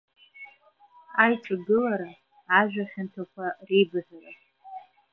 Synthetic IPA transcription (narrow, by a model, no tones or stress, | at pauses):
ajʈ͡ʂʼaɡɨlaɾaː | ʒᶣaχᶣʊntʰakʷʰarejbɨzara